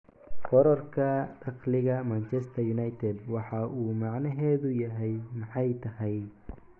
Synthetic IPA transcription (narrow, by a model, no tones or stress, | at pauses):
qɔɾɔrkʰɐɖɑqlɪɣɐmɐnt͡ʃʰɛst̪ʰɐjʊnɑjt̪ʰɛd̪wɑħɑʔuːmɑʕnɐɦɛːðʊjɐɦɛjmɑħɑjt̪ʰɐhɛj